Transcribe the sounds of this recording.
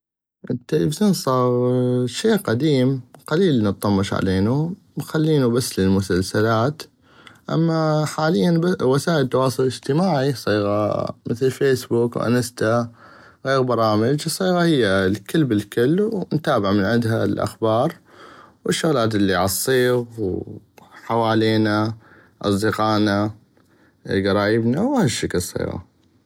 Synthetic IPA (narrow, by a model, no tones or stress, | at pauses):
ʔɪt̪ːelḛfɪzoːnsˤɑːɣʃeːʔqad̪iːmqaliːlnət̪̚ˤːɑmːɑʃʕa̰leːnu | xalːiːnubasːlɪlmʊsalsalaːt̪ | ʔa̰mːaħaːlɪjːanbawasaːʔɪlt̪ːɑwɑːsˤʊlɪd͡ʒt̪ɪmaːʕisˤiːɣa̰mɪθlfeːsbuːkwʔa̰nast̪a | ɣeːɣbɑɾˤɑːmɪd͡ʒsˤːiːɣahɪjːalkɪlbɪlkʊlːnt̪aːbɪʕmɪnʕɪnd̪ɦalʔa̰xbɑːɾˤwɪʃːʊɣlaːt̪ʔɪlːiʕɑsˤːiːɣw | ħawaːleːna | ʔɑ̰sˤd̪ɪqɑːna | ɡɑɾˤɑːjəbnawhaʃːaklsˤḭːɣa̰